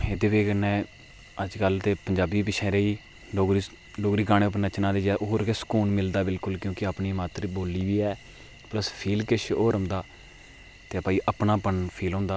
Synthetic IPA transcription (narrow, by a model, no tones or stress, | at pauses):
ed̪eːʋeːkənɛ̃ː | əd͡ʒkəlt̪eːpəɲd͡ʒaːbiːpɪt͡ʃʰɛːɾəiː | loːɡɾi | loːɡɾiːkaːnẽːʊpnət͡ʃnaːd̪eːd͡ʒɛʔoːɾkesə̥kuːnmɪld̪aːbɪlkʊlkjõːkɪapniːmaːt̪ɾiboːliːʋiːɛː | pləspʰiːlkɪʃʰoːɾə̃nd̪aː | t̪eːpaːiːʔəpnaːpənpʰiːlɦõːnd̪aː